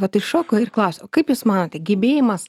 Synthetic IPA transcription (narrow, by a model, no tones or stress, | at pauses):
ʋɐt̪ɪʃoːkoːɪrklˠɐʊsʲɛokɐɪpjuːsmɑːnoːt̪ʲɛɡʲɪbʲeːjɪmɐs